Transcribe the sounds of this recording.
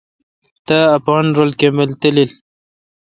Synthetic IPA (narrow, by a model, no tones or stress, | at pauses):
t̪aːpɑnɾolkemelt̪əlil